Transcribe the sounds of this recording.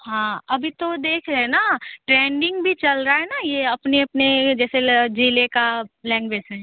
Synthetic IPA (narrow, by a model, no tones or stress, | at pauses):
ɦãːɐbʱit̪od̪eːkʰɾɐɦenaʈɾɛ̃ːɳɖɪ̃ŋɡbʱit͡ʃɐlɾaaɦɛnajeɐpneɐpned͡ʒɛːsed͡ʒiːlekalɛ̃ːŋɡʋeːd͡ʒɦɛː